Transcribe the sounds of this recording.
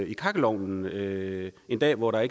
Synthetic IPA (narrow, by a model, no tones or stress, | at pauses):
ikʰɑ̈ɡ̥əlɒʊ̰nn̩øe̝nd̥ɛ̰ːʋɒɾɑ̈e̝ɡ̥